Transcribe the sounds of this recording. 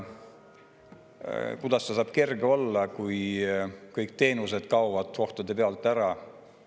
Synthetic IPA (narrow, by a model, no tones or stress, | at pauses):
kud̪̥ɑst̪ɑsɑːb̥ke̞rɡeo̞lːɑkuj | kɤjkt̪e̞ːnus̬e̞d̪̥kɑwvɑd̪̥ko̞ht̪od̪̥e̞peɑlt̪ːˑæɾɑ